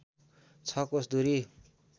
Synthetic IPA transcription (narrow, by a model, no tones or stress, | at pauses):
t͡sʰʌkosd̪uɾi